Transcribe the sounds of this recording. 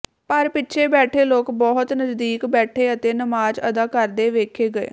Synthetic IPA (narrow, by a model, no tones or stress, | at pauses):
pəɾpɪtːʃʰeːbɛːʈʰeːloːkbɔːɦt̪nəzd̪iːkbɛːʈʰeːət̪eːnəmaːd͡ʒə̰d̪aːkəɾd̪eːʋeːkʰeːɡəḛː